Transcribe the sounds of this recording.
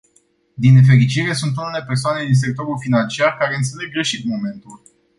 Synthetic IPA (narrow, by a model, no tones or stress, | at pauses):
d̪ine̞f̬e̞ɾit͡ʃiɾe̞sunt̪̬unule̞persoane̞d̪ins̬e̞k̚t̪o̞ɾulfinant͡ʃiarkaɾeɨnt̪se̞le̞ɡːɾe̞ʃit̪mo̞me̞nt̪ul